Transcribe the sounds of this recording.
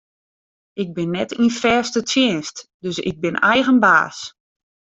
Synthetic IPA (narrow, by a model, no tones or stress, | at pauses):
ɪɡ̚bɪnːɛtʰinfrɛːstətʰjɪənstdøsɪ̰ɡ̚bɪnɛjɣənba̰ːs